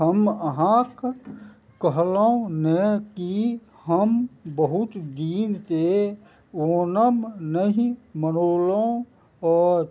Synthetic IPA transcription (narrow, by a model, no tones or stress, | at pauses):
ɦəməɦãk | kəɦlõneki | həmbəɦʊt̪d̪iːnt̪e | oːnəmnəɦĩmənoːlõ | ɔːɾ